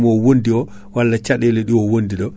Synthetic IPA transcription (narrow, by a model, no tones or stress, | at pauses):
mɔwondiɔ | walːat͡ʃaɗɛlɛɗiwɔwondiɗɔ